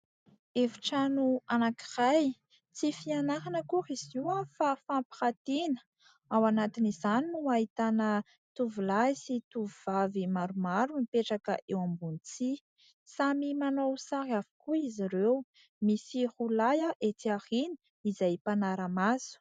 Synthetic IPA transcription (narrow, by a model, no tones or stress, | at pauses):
eviʈ͡ʂanuanaki̥raj | t͡sifianaɦanəkuhiziwafafampi̥hat̪inə̥ | awanat̪inizaninuait̪anə | t̪uvulaisit̪uvuvavimaɾumaɾunipeʈ͡ʂakəʔewambunit͡si | samimanowsaɾiavi̥kuiziɾew | misihulajaʔet̪iahini̥ | izajpanaɾəmaz̥u̥